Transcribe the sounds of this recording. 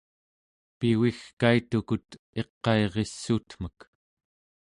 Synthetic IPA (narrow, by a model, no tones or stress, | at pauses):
piwixkait̪ukut̪ | e̞qːɑeʁe̞sːuːt̪m̥ək